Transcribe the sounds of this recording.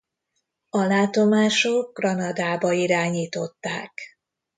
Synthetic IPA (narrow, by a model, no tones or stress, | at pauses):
ɒlaːt̪o̞maːʃoɡ̚ɡrɒnɒd̪aːbɒiɾaːɲiːt̪o̞t̪ːaːk